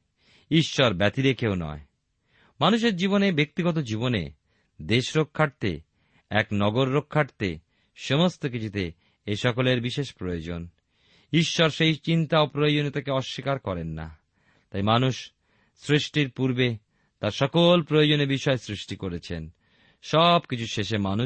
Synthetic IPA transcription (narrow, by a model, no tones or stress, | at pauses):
iʃːɔɾbɛt̪iɾekewnɔ̰e | manuʃ̬eɾd͡ʑiβonebek̚t̪iɡɔt̪̬od͡ʑibonḛ | d̪eʃɾokʰːaʈt̪ḛ | ɛknɔɡoɾːokʰːaʈt̪ḛ | ʃomost̪ok̬it͡ɕʰut̪e | eʃɔkoleɾbiʃeʃpɾojod͡ʑon | iʃːɔɾʃejt͡ɕint̪aopɾojod͡ʑonet̪ʰekeɔʃːikaɾkɔɾenːa̰ | t̪ajmanuʃ | sɾiʃʈiɾpuɾbe | t̪aɾʃɔkolpɾojod͡ʑonebiʃɔesɾiʃʈikoɾet͡ɕʰen | ʃɔbkit͡ɕʰuʃeʃemanu